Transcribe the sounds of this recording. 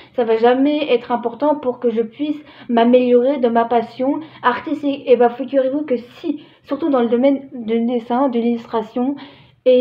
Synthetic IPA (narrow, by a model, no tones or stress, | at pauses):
savaʒamɛɛt̪χɛ̃pɔʁt̪ɑ̃puʁkəʒəpɥis | mameljɔʁed̪əmapasjɔ̃aʁt̪ist̪ikʲebafiɡʲyʁevukəsi | syʁt̪ud̪ɑ̃ləd̪ɔmɛnd̪yd̪esɛ̃d̪əlilyst̪χasjɔ̃ | e